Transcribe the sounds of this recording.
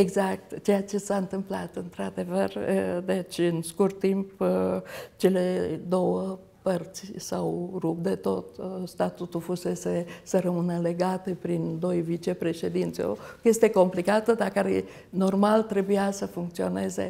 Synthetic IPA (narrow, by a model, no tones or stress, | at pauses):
eɡzak̚t̪t͡ʃe̞jat͡ʃe̞saɨnt̪ɨmplat̪ɨnt̪ɾad̪e̞vərd̪e̞t͡ʃʲɨnskurt̪ːimp | t͡ʃe̞led̪o̞wə | pərt̪sʲsawɾup̚d̪e̞t̪o̞t̪st̪at̪ut̪ulfuse̞sesəɾəmɨnəle̞ɡat̪epɾind̪o̞jvit͡ʃe̞pɾe̞ʃe̞d̪int̪sʲo̰je̞st̪e̞ko̞mplikat̪əd̪akaɾe | no̞rmalt̪ɾe̞bujasəfuŋk̚t̪sio̞ne̞ze̞̰